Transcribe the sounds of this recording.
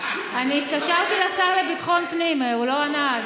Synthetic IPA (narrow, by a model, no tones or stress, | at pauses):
aniːt̪kaʃaʁt̪ilasaʁlebit̪χonpnimeulo̞ana